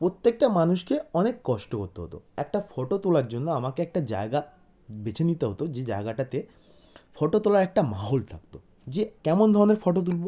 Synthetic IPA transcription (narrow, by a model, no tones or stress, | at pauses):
pɾot̪ːek̚ʈamanuʃkeɔnekːɔʃʈokoɾt̪eɦo̰t̪o̰ɛk̚ʈafɔʈot̪ulaɾd͡ʑonːoamakeɛk̚ʈad͡ʑa̰eɡa | bet͡ɕʰenit̪eɦot̪od͡ʑed͡ʑa̰eɡaʈat̪e | fɔʈot̪olaɾɛk̚ʈamaɦolt̪ʰa̰k̚t̪o | d͡ʑekɛmond̪ʱɔɾoneɾfɔʈot̪̬ulbo